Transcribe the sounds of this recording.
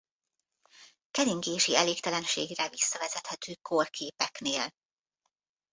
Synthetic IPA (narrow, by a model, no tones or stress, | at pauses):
kɛɾiŋɡeːʃiɛleːkt̪ɛlɛnʃḛːɡrɛvisːɒvɛzɛt̪hɛt̪øːkʰorkʰeːpɛkneːl